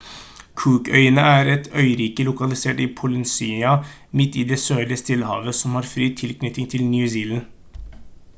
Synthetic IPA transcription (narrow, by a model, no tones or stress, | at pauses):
kʰʉːkœ̰ʏənəæːɾɛt̪ʰœʏɾiːkəlʊkɑlɪseːʈiːpʰʊlɪnsiːɑ | mɪt̪ːiːd̪ɛːsøːɾəst̪ɪlhɑ̰ːʋəsɔmhɑːɾfɾiːt̪ʰɪlknʏt̪ːɪŋt̪ʰɪlnjʉsiːln